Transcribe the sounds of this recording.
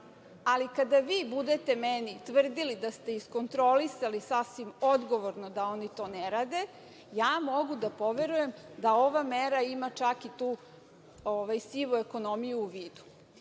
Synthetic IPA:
alikad̪aʋiːbud̪et̪e̞menit̪ʋr̩d̪ilid̪ast̪e̞isko̞nt̪ɾo̞lisalisasʋimo̞d̪ɡo̞ʋoɾnod̪ao̞nit̪o̞ːneɾaːd̪e̞ | jaːmo̞ɡud̪apo̞ʋe̞ɾuje̞md̪ao̞ʋameɾaimat͡ʃakit̪uː | oʋajsiʋue̞ko̞no̞mijuːʋiːd̪u̥

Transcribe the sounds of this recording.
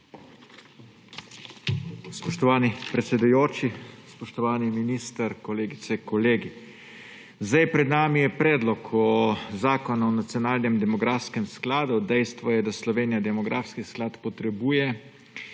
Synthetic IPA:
spɔʃt̪ɔʋaːnipɾɛt̪sɛd̪ujoːt͡ʃispɔʃt̪ɔʋaːniminiːst̪əɾkɔleːɡit̪sɛkɔleːɡi | zd̪ajpɾɛd̪naːmijɛpɾɛːd̪lɔkʰɔzaːkɔnaɔnat̪sijɔnaːlnɛmd̪ɛmɔɡɾaːfskɛmsklaːd̪ud̪ɛjst̪ʋɔjɛd̪aslɔʋeːnijad̪ɛmɔɡɾaːfskisklaːt̪pɔt̪ɾɛbuːjɛ

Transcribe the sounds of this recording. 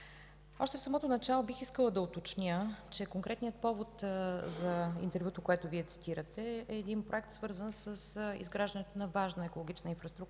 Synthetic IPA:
ɔ̰ʃt̪ɛfsɐmɔt̪onɐt͡ʃalˠobixiskəlˠəd̪ɐot̪ot͡ʃnʲət͡ʃɛkoŋkɾɛt̪nijət̪̚pɔvot̪zɐḭnt̪ɛɾvjut̪okoɛt̪ʊviɛt̪si̥t̪iɾət̪ɛɛːd̪inpɾoɛk̚t̪svɤɾzənsəsḭzɡɾaʒd̪ənɛt̪onɐvaʒnəɛkolˠoɡ̟it͡ʃnəinfɾəst̪ɾuk̚

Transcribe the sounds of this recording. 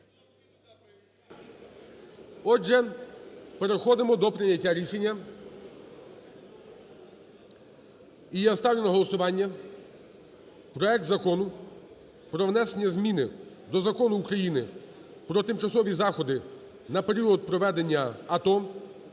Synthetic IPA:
ɔd͡ʒɛ | peɾexɔd̪ɪmɔd̪ɔpɾɪnʲɐtʲːaɾʲiʃe̞nʲːɐ | ijast̪ɑwlʲenɐɦɔlˠɔsʊʋɑnʲːɐ | pɾɔɛk̚t̪zɐkɔnʊ | pɾɔʋnɛsenʲɐzmʲinɪ | d̪ɔzɐkɔnʊːkɾɐjinɪ | pɾɔt̪ɪmt͡ʃɐsɔʋʲizɑxɔd̪ɪ | nɐpe̞ɾʲiɔd̪̚pɾɔʋɛd̪e̞nʲːɐɐt̪ɔ

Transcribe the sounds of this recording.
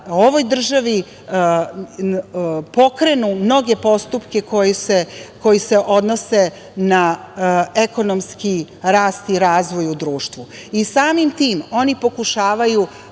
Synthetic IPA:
o̞ʋo̞jd̪r̩ʒaʋi | po̞kɾe̞numno̞ɡe̞po̞st̪upke̞kojseko̞jiseʔo̞d̪no̞se | na | eko̞nomski | ɾaːst̪iɾaːzʋo̞jud̪ɾuːʃt̪ʋu | isaːmimt̪iːmo̞nipo̞kuʃaːʋaju

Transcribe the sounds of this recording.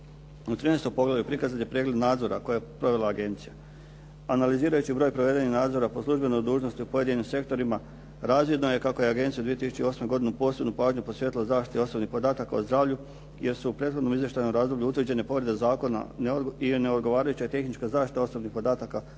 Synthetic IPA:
ut̪ɾiːnejst̪o̞jpo̞ɡlajupɾikazanjepɾeːɡle̞d̪naːd̪zo̞ɾa̰ko̞jajpɾo̞ʋe̞laːɡe̞nt̪sija | analiziːɾajut͡ɕibɾo̞ːjpɾoʋe̞d̪eninaːd̪zo̞ɾapo̞slˠuʒbe̞no̞jd̪uːʒno̞st̪iupo̞je̞d̪inimse̞kt̪o̞ɾima | ɾaːzʋid̪noje̞kako̞je̞aɡe̞nt̪sjaud̪ʋiet̪isu̥t͡ɕeio̞ːsme̞ɡo̞d̪inupo̞ːse̞bnupaːʒɲupo̞sʋjet̪ilazaːʃt̪i̥t̪eo̞sobnixpo̞d̪aːt̪akaozd̪ɾaːʋʎu | je̞ɾsuːpɾet̪xod̪no̞mizjeʃt̪ajnomɾaːzd̪o̞bʎuut̪ʋr̩d͡ʑe̞nepo̞ʋɾed̪ezaːko̞na̰nineod̪ɡo̞ʋaːɾajut͡ɕat̪e̞xnit͡ʃkazaːʃt̪i̥t̪ao̞so̞bnixpo̞d̪aːt̪aka

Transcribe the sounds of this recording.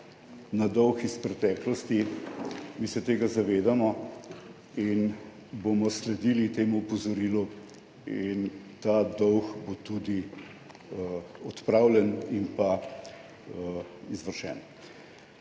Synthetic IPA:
nad̪ɔwxispɾɛt̪ɛːklɔst̪i | miːsɛt̪eːɡazaʋeːd̪amɔ | in | bomɔslɛd̪ilit̪eːmuːpɔzɔɾiːlu | int̪aːd̪ɔwxbot̪ud̪i | ɔt̪pɾaːwlɛnimpa | izʋəɾʃɛ̰ːn

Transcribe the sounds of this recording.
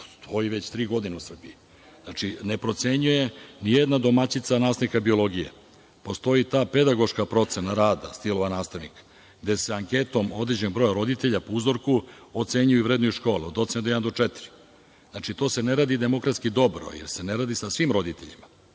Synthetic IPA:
o̥st̪ʰo̞iʋe̞t͡ɕt̪ɾiːɡo̞d̪ineusr̩bii | znat͡ʃine̞pɾo̞t̪se̞ɲuje̞nijed̪nad̪o̞mat͡ɕit̪sanaːst̪anikabio̞lˠo̞ɡijḛ | po̞st̪o̞it̪aːpe̞d̪aɡo̞ʃkapɾo̞t̪se̞naɾaːd̪ast̪ilˠo̞ʋanaːst̪aʋnik | ɡd̪e̞seaŋke̞t̪o̞mo̞d̪ɾid͡ʑenbɾo̞ːjaɾo̞d̪it̪eʎapouzo̞ɾkuot̪se̞ɲujuivɾed̪nojuʃko̞ːliod̪ot̪sened̪ojed̪nd̪ot͡ʂet̪iɾi̥ | znat͡ʃit̪o̞ːse̞ne̞ɾaːd̪id̪e̞mo̞kɾat̪skid̪o̞bɾo̰jḛɾse̞neɾaːd̪isasʋiːmɾo̞d̪it̪eʎḭma

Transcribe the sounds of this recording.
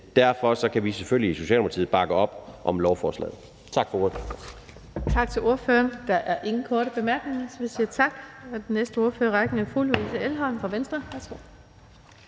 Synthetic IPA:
d̥æɐ̰fɒ̽sɒ̽kʰæʋisefølliso̝ɕɛ̰ːlmpʰɑ̥t͡sʰḭð̩ˠb̥ɑ̈ɡ̥əɒ̽b̥ʔɒ̽mlɒʊfɒːslɛ̰ːð̩ˠ | t͡sʰɑ̈ɡ̥fɒoɐð̥ˠ | t͡sʰɑ̈ɡ̥̚t͡sʰe̝lʔo̝ɐføːɐnd̥ɑʔæɐʔe̝ŋn̩kʰɔːɾəb̥e̝mæɐɡ̥ne̝ŋɐsɒʋisiːɐt͡sʰɑ̈ɡ̥ɒd̥enesd̥əo̝ɐføːɐʁɑ̈ɡ̥n̩æfulusʰe̝elɦɒ̽n̩fɑ̈ʋensd̥ʁɐʋæɐsɡ̥o̝̰

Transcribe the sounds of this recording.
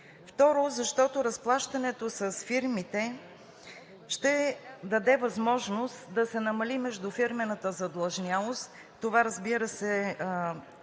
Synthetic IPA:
ft̪ɔɾozɐʃt̪ɔt̪oɾɐsplˠaʃt̪ɐnɛt̪osɐsfiɾmit̪ɛ | ʃt̪ɛd̪ɐd̪ɛvɐzmɔʒnost̪d̪ɐsɛnɐmɐlimɛʒd̪ʊfiɾmɛnət̪əzɐd̪lˠɐʒnʲjalˠost̪ | t̪ːovaɾəzbiɾəsɛ

